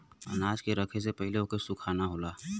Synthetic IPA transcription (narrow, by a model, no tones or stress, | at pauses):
ɐ̰naːd͡ʒkeɾɐkʰes̬epɛɦleokesʊkʰaːnaɦoːlaː